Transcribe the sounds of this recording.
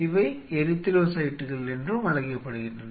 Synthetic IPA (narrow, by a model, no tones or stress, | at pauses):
ɪʋɐɪɛɾɯt̪ːɪɾɐsɐjɪʈːɯɣɐɭɛndrɯmɐlɐɣɪjɐpːɐɽɯɣɪndrɐn